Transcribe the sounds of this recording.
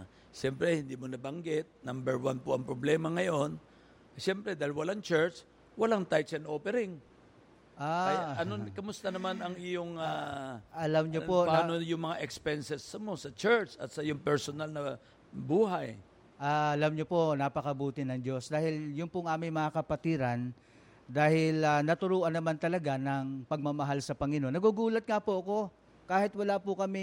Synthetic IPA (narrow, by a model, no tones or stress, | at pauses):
ʃɛmpɾɛhɪnd̪iːmonɐbɐŋɡɪt̪̚nambɛɹwanpoʔɐŋpɾoblɛːmɐŋɐjo̞n | ʃɛmpɾɛd̪aːhɪlwɐlaŋt͡ʃɛɹt͡ʃ | wɐlaŋt̪ajt͡ʃɛnʔoːpɛɾɪŋ | ʔaʔɐnokɐmʊst̪ɐnɐmanɐŋɪjoŋaʔɐlamɲopopaanojʊŋmɐŋaʔɛkspɛnsɛsmo̞sɐt͡ʃɛɹt͡ʃɐ̰t̪sɐjʊŋpɛɹsonalnɐ | buːɦaj | ʔaːɐlɐmɲopo̞nɐpɐkɐbuːt̪ɪnɐŋd͡ʒo̞sd̪aːhɪljʊŋpʊŋʔaːmɪŋmɐŋakɐpɐt̪iːɾɐn | d̪aːhɪlɐnɐt̪ʊɾuːʔɐnːɐmant̪ɐlɐɡanɐŋpɐɡ̚mɐmɐɦalsɐpɐŋɪnonːɐɡuɡuːlɐt̪̚ŋapoʔɐko̞ | kaːhɪt̪wɐlapʊkɐmɛ